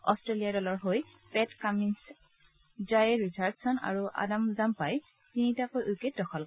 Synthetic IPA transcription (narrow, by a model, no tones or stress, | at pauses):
ɔ̰stɹeliaɹdɔlɔɹɦoj | pɛtkamins | zajɹisʰaɹtsɔna̰ɹuʔa̰damzampaj | tinitakojʔuket̚dɔxʰɔl